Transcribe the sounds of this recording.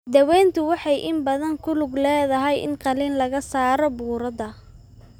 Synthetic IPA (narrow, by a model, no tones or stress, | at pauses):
d̪ɐwɛːnt̪ʰʊwɑħɑjʔɪmbɐðɐŋkʰʊlʊɡlɛːðɐɦɛjʔɪ̰nqɑliːnlɐɣɐsaːɾɔbuːɾɐðɐ